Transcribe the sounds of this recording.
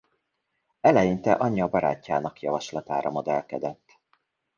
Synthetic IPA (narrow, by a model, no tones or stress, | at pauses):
ɛlɛjint̪ɛ̰ʔɒɲːɒbɒɾa̰ːcːaːnɒkjɒvɒʃlɒt̪a̰ːɾɒmod̪ɛlkɛd̪ɛt̪ː